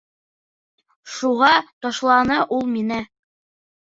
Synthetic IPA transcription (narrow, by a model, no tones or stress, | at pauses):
ʃuʁɑt̪ɒʃlˠɑnɤʔulˠminɘ